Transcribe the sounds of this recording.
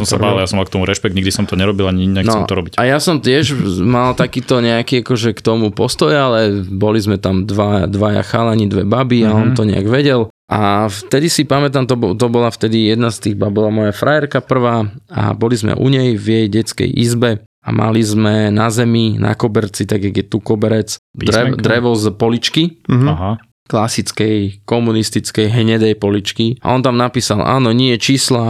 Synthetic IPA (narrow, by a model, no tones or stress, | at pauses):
ɔmsa̰baːiljasɔmalk̚t̪ɔmuɾɛʃpɛɡ̪̚ɲiɡd̪isɔmt̪ɔɲɛɾɔbilaɲiiɲaknɔɛmt̪ɔɾɔbicajasɔmt̪ɪɛʒmalt̪akiːt̪ɔɲɛakiːakɔʒɛkt̪ɔmupɔst̪ɔjalɛbɔlizmɛt̪amd̪ʋad̪ʋaja̰xalaɲid̪ʋɛbabiaɔnt̪ɔɲɛ̰a̰ɡʋɛɟɛl | ʔaft̪ɛd̪isipamɛt̪̬amt̪ɔt̪ɔbɔlaft̪ɛd̪ijɛd̪nast̪iːɣbabɔlamɔjafɾajɛɾkapr̩ʋaːa̰bɔlizmɛ̰ʔṵɲɛjvjɛjɟɛt͡skɛ̰jʔizbɛ | a̰ma̰lizmɛnazɛminʔa̰kɔbɛɾt͡sit̪aɡjaɡjɛt̪ukɔbɛɾɛt͡sd̪ɛd̪ɾɛʋɔzpɔlit͡ʃkiɦa | klasit͡skɛjkɔmunist̪it͡skɛjɦɲɛd̪ɛjpɔlit͡ʃkia̰ɔnt̪amnapiːsalʔa̰ːnɔɲɪɛt͡ʃiːsla